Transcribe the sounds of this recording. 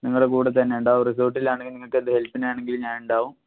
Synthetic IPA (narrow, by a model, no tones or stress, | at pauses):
niŋːɐɭɽekuːɽɐt̪ɐnːe̞uɳɖaːʋumris̬oːrʈːilaːɳeŋɡilniŋːɐɭkːɨɐðɨhelpːinejaːɳe̞ŋɡilɲaːnuɳɖaːʋum